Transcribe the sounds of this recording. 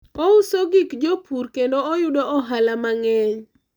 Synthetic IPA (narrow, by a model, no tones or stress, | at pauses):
ɔʊsoɡikd͡ʒopʰuɾkendoɔjʊdɔɔɦalamaŋɛɲ